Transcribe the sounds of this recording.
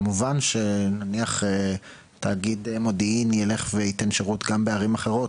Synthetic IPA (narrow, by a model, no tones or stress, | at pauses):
muvanʃe̞naniaχe | t̪aːɡid̪emo̞diinjele̞χveit̪e̞nʃeʁut̪ɡambeaʁimaχe̞ʁo̞t